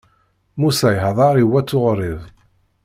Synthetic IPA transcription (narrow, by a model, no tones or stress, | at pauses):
musæjɦðˤɑɾˤiwːæt͡sːʊʁɾiðˤ